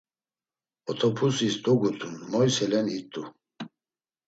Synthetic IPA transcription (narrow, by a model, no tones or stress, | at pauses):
ɔt̪ʰɔpʰusist̪ʼɔɡut̪ʰʼunmɔjsɛlɛnit̪ʼu